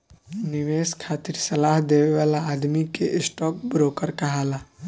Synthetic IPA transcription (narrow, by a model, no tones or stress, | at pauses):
nɪʋeːskʰaːt̪iɾsɐlaːɦd̪eːʋeʋaːlaːd̪mikeʔɪsʈɔːk̚bɾoːkəɾkɐɦaːlaː